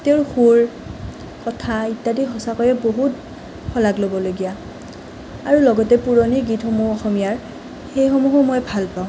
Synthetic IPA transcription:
teʊɹxuɹ | kɔtʰaitːadiɦɔsakɔjɛboɦut | xʰɔlaɡlobɔloɡija | aɹulɔɡɔtɛpuɹoniɡitxomuɔxɔmijaɹ | xejxɔmuɦomɔjbʱalpaʊ̃

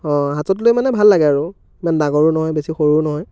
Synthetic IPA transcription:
ɔ̃ɦatɔt̬lojmanɛbʱalːaɡɛaɹu | mandaɡɔɹʊnɔɦɔjbesixoɹuɹnɔɦɔj

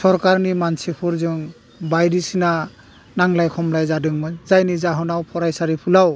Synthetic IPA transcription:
sɔɾkaɾnimansipʰuɾzɯŋ | bajdisina | naŋlajkʰɔmlajzadɯŋmɯnzajnizaɦɔnawpʰɔɾajsaɾipʰulaw

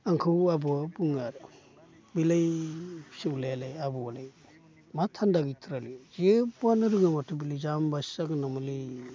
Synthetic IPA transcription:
aŋkʰɯwabuabuŋaɾ | bilaj | siwlelajabualaj | matʰandaɡitʰɾalizbuanɯɾɯŋamatʰubilajzambasaɡɯnamali

